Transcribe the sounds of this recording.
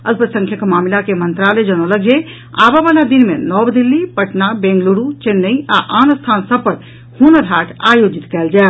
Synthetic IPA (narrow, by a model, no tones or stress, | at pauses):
ə̰lpət̪sə̃ŋkʰjəkmaːmilakemənt̪ɾaled͡ʒənoləɡje | a̰babalad̪inmenɔbd̪ilːipəʈnabẽŋɡluɾut͡ʃenːəiʔaʔaːnəst̪ʰaːnsəbpəɾ | hunəd̪ʱaːʈʰajod͡ʒit̪kɛːld͡ʒaː